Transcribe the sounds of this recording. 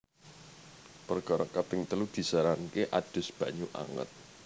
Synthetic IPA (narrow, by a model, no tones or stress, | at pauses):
pərɡ̥ɔɾɔkapɪŋt̪əlud̪̥i̤saɾankeʔad̥ʊ̤sb̥ä̤ɲuʔa̰ŋə̰t̪̚